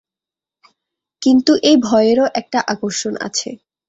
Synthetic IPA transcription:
kint̪uʔejbʱɔeeɾoʔɛk̚ʈaʔakoɾʃonʔa̰t͡ɕʰḛ

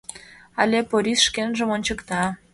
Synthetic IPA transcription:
ɑlʲepoɾʲisʃkenʒə̆monʲt͡ɕəkt̪ɑ

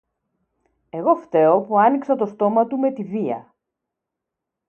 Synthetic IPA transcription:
e̞ɣo̞ft̪e̞o̞puɐniksɐt̪o̞st̪o̞mɐt̪ume̞t̪iviɐ̰

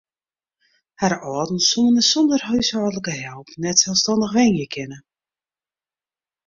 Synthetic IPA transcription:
harɔːdn̩suənəsɔndərɦøɥsɔːdələkəɦɛlˠpnɛtsɛlˠstɔndəxʋɛnjəkʰɪnə

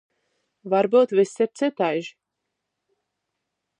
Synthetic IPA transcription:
vaɾbuːt̪visːɛɾt̪sʲɨt̪ajʒi

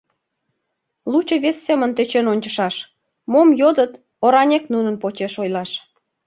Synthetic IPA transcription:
lut͡ɕə̆βesːemənt̪et͡ɕenonʲt͡ɕəʃɑʃ | momjod̪ət̪ | oɾɑnʲeknunənpot͡ɕeʃojlɑʃ

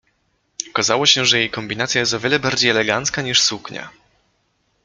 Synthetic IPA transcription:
ɔkazawɔɕɛʐɛjejkɔmbʲinat̪sʲjajɛst̪ɔvʲjɛlɛbaɾd͡ʑejɛlɛɡant̪skaɲiʂsukɲa̰

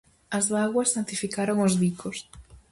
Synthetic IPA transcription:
ɐzðaɣwɐsːant̪ifikaɾoŋozβikʰos

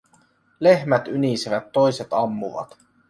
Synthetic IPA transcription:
le̞hmæt̪ynisiʋæt̪ːo̞jse̞t̪ɑmːuʋɑ̰t̪

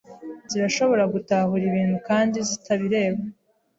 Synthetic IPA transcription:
ziɾaʃo̞βo̞ɾaɡutahuɾiβiːnhukaːndizitʰaβiɾe̞ːβa

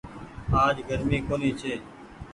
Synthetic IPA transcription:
aːd͡ʒɡəɾmiːkoːniːt͡ʃʰeː

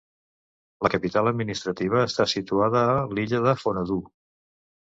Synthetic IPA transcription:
ləkəpit̪aləd̪minist̪ɾət̪iβ̞əːst̪asit̪uaðəːliʎəðəfonəðu

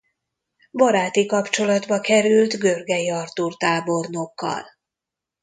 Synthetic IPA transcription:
bɒɾaːt̪ikɒpt͡ʃo̞lɒd̪bɒkɛɾylt̪ɡø̞rɡɛjiɒrt̪uːrt̪aːbo̞rnokːɒ̰l

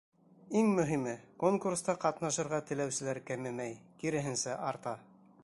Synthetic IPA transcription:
iŋmɵ̆ɦimɘkoŋkurst̪ɑqɑt̪nɑʃɤ̆ɾʁɑt̪ɘ̆læwsɘ̆læɾkæmɘmæjkiɾɘ̆ɦɘ̆nsæʔɑɾt̪ɑ

